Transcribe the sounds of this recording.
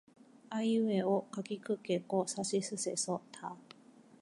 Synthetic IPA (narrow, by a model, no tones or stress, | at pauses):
aiɯ̟eokakʲikɯ̟kekosaɕisɨse̞sot̪ʰa